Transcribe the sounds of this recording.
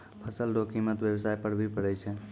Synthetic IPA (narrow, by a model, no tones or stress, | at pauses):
pʰəsəlɖokimət̪ʋjebsajpəɽbʱipəɽɛt͡ʃʰɛ